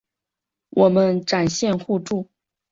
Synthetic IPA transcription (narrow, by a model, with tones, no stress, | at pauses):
wʔɔ˨˩mə˦nʈ͡ʂa˨˩nɕjɛ˥˧nxu˥˧ʈ͡ʂu˥˩